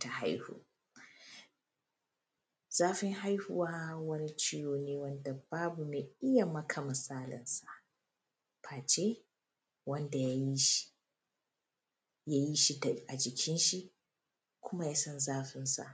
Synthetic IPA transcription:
ta˨ɦa̰˦jhṵː˨ | z̥aː˦ɸɪ˦ŋɦa˦jhu˨waː˦hwɐ˦ni˦t͡ʃiː˦joː˨neː˦wɐ˦nda˨baː˦bu˨meː˨ɪ˦ja˨mɐ˦kʰa˨mɪ˨saː˦lɪ̰˨nsa˨ʔ | pʰaː˨t͡ʃe˦ | wɐ˦nda˨ja˦ji˦ʃi̥˦ | jaː˦ji˦ʃi˦˨ʔa˨d͡ʒɪ˨kʲʰɪ˦nʃi˦ʔ | kʷʰʊ˦ma˦ja˦sɐ˦nzaː˦ɸɪ˦nsa̰˨ʔ

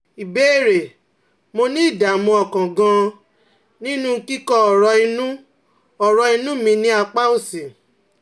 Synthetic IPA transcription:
i˨be˨˦e˦˨ɾe˨ | mo˧nĩ˦i˦˨da˨mɔ̃˧ɔ˨kã˨ɡã˧ | nĩ˦nũ˦˧ki˦kɔ˦ɔ˨ɾɔ˧i˧nũ˦ | ɔ˨ɾɔ˧i˧nũ˦mĩ˧nĩ˦a˧k͡pa˦o˦˨si˨

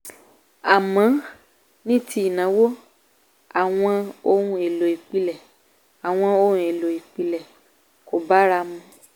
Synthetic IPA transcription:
a˨mã˨˦ | nĩ˦˨ti˧i˨nã˨˦wo˦ | a˨w̃ɔ̃˧o˧˦ɾũ˧e˨lo˨i˨k͡pi˧lɛ˨ | a˨w̃ɔ̃˧o˧ũ˧e˨lo˨i˨k͡pi˨˧lɛ˨ | ko˨ba˨˦ɾa˧mũ˧

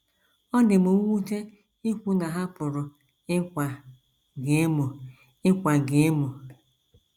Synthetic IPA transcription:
ɔ˦nɪ˨mu˨˦ŋʷu˦te˦ | ɪ˦kʷu˨na˨ɦa˦pʊ˨ɾʊ˨ | ɪ˦kʷa˨ | ɡe˨˦mo˨ | ɪ˦kʷa˨ɡe˨e˦mo˨

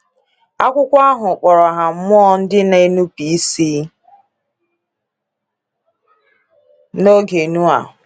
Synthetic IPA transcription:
a˦kʷʊ˦kʷa˦ɦʊ˨k͡pɔ˨ɾɔ˨ɦa˨m̩˦m˦ɔ˦n̩˦dɪ˦ne˨e˦nu˦pi˨˦siː˦ | no˦ɡe˨nu˦a̰˨ɦʊ˨

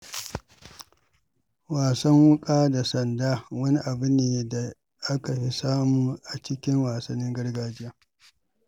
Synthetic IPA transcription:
waː˨sɐ˦ŋwʊ˦kʼaː˦da˨sɐ˨ndaː˦wɐ˦ni˦ʔa˨bʊ˦neː˨da˨ | ʔa˦ka˨ɸi˦saː˦muː˦ʔa˨t͡ʃɪ˦kʲɪ˦ŋwaː˨sɐ˦nːɪ˦ŋɡɐ˦rɡaː˦d͡ʒɪ˦jaː˦

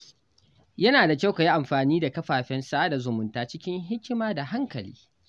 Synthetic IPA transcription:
jɐ˦naː˨da˨kʲa˦wka˨ji˦ʔa˨mɸaː˨niː˦da˨kɐ˦ɸaː˨ɸɛ˦nsaː˦da˨zʊ˨mʊ˨ntaː˦t͡ʃɪ˦kʲɪ˦ŋɦɪ˦kʲɪ˦maː˦da˨ɦa˦ŋkɐ˨lḭː˦

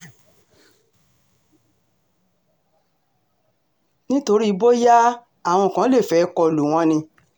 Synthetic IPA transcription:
nĩ˦to˧ɾi˦i˧˦bo˦ja˦ | a˦˨w̃ɔ̃˧˨kã˨˦le˦˨fɛ˨˦kɔ˧˨lu˨w̃ɔ̃˧˦nĩ˧

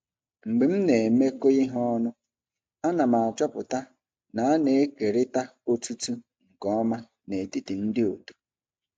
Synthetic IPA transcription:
ŋ͡m̩˨ɡ͡be˨m̩˦ne˨me˦ko˦i˦ɦɔ˦nʊ˦ | a˦na˨ma˨a˨t͡ʃɔ˦pʊ˨ta˦ | na˨a˦ne˨e˦ke˨ɾɪ˦ta˦o˦tu˦tu˦ | ŋ̩˨kɔ˦ɔ˦ma˦ | ne˨ti˦ti˨n̩˦dɪ˦o˨tu̥˦

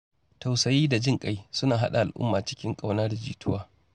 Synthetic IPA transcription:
ta˨wsɐ˦jiː˦da˨d͡ʒɪ˦˨ŋkʼa˦jsʊ˦naː˨ɦa̰˦ɗa̰˨ʔa˨lʔʊ̰˦mːaː˨t͡ʃɪ̥˦kʲɪ˦ŋkʼa˨wnɐ˦rd͡ʒḭː˨tʰʊ˦waː˦

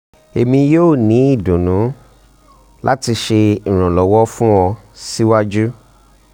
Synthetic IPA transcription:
e˨mĩ˧joː˦˨nĩ˨˦i˦˨dũ˨nũ˨˦ | lʔa˦ti˧ʃe˧ĩ˨ɾ̃ã˨lɔ˨wɔ˦fũ˦ɔ˧ | si˦wa˦d͡ʒu˦

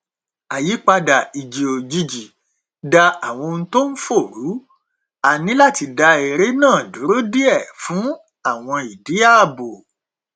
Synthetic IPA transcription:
a˨ji˨˦k͡pa˧da˨i˨d͡ʒi˨o˨d͡ʒi˧d͡ʒi˨ | da˧a˨w̃ɔ̃˧nũ˦to˦n̩˦fo˦˨ɾu˨˦ | a˨nĩ˦la˦˨ti˧da˧e˨ɾe˨˦nãː˦˨du˨˦ɾo˦di˦ɛ˦˨fũ˨˦ | a˦˨w̃ɔ̃˧i˨di˨˦a˦˨˦bo˨

